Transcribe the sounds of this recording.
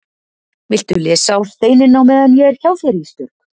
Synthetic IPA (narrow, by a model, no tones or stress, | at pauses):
vɪl̥t̪ʏlɛːsawɾ̥θeːjnɪnawmɛːðanjɛɛɾ̥çawfɛɾist̪ʏɾ̥k